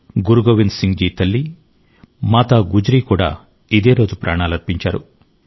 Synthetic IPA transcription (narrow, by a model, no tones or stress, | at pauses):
ɡuɾuɡoːʋinsiŋd͡ʒiːt̪ɐlːi | maːt̪aːɡud͡ʒɾiːkuːɽa̰ː | id̪e̞ːɾo̞ːd͡ʒupɾʔaːɳaːlɐɾpiɲt͡ʃaːɾṵ